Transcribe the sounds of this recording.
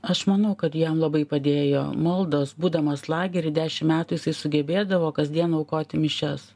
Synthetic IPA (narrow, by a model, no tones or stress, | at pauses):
ɐʃmɐnɐʊkɐt̪jɛmlˠɐbɐɪpɐd̪ʲeːjo̰ːmɐlˠd̪oːsbuːd̪ɐmɐslˠɑːɡʲɛɾʲɪd̪ʲæːʃʲɪmmʲæːt̪uːjɪsɐɪsʊɡʲɛbʲeːd̪ɐʋoːkɐzʲd̪ʲiɛnɐʊkoːt̪ʲɪmʲɪʃʲɛs